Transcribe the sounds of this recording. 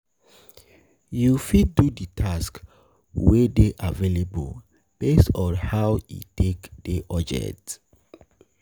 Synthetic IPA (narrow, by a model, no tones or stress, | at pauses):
jufid̚ːuditʰask | wedeʔavelebṵl | b̥esɔ̃nhawḭtʰekd̥eʔɔd͡ʒɛ̰t